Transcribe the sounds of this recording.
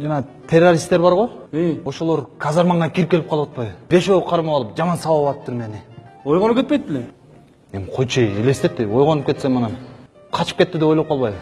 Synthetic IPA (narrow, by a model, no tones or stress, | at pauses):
d͡ʒɑnɑt̪ʰe̞rːoɾʲist̪eɾbɑɾʁoeo̞ʃo̞lˠo̞ɾkʰazɑɾmɑɴːɑkʲʰiɾipkʲe̞lʲipqʰɑlˠɯwɑt̪pɑjβɯb̥e̞ʃoqʰɑɾmɑɑlˠɯp̚d͡ʒɑmɑnsɑwɑɑt̪ɯp̚t̪uɾmeeniojʁonup̚kʲet̪pejt̪̚bilʲe | emqʰo̞jt͡ʃejeleist̪e̞t̪ːio̞jʁo̞nup̚ke̞t̪semɑnɑn | qʰɑt͡ʃɯ̥p̚ke̞t̪ːid̪eojlˠopqʰɑlˠβɑjβɯ